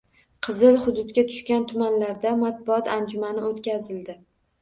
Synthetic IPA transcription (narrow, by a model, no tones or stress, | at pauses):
qʰɨzɪlˠhʊd̪ʊd̪kʲat̪ʰʊ̥ʃkʲant̪ʰʊmanlaɾd̪amat̪̚bʊɒt̪ʰand͡ʒʊmanɪot̪kʲazɪld̪ɪ